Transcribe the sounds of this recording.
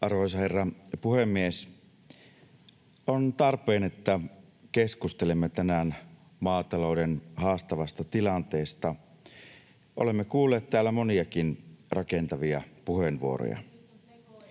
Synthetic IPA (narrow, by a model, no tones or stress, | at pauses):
ʔɑrʋoisɑherːɑpuhemːies | ont̪ɑrpeːnet̪ːæ | keskust̪elemːet̪ænæn | mɑːt̪ɑloudenhɑːst̪ɑʋɑst̪ɑt̪ilɑnt̪eːst̪ɑ | ʔolemːekuːlːeːt̪t̪æːlːæmoniɑkinrɑkent̪ɑʋiɑpuhenʋuo̰ɾo̰jɑ̰